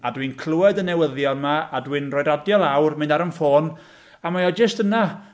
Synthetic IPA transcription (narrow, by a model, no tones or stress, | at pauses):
adwiːnkʰl̥ˠuɛdənɛwəðjɔnmaadwinroːjdadjɔlˠawrmɨnaɾənfoːn | amajɔd͡ʒəstəna